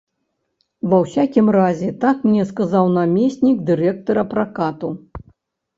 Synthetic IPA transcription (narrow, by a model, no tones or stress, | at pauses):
vɐwsʲakʲimrazʲɛt̪akmnʲɛskazawnamʲɛsʲnʲiɡd̪ɨɾɛk̚t̪ɐɾɐpɾakat̪u